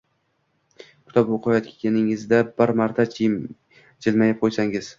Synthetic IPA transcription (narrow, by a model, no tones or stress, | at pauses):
kʲʰʊ̥t̪ʰɒpoqʰɒjɒt̪̚kʲʰɪkʲanɪŋɪzd̪abɪɾmaɾt̪ʰa | d͡ʒɪlmajap̚qʰojsaŋɪz̥